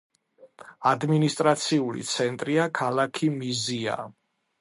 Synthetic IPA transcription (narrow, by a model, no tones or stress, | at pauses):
ad̪minist̪ʼɾat̪sʰiulḭt̪sʰɛnt̪ʼɾiakʰalakʰimizia̰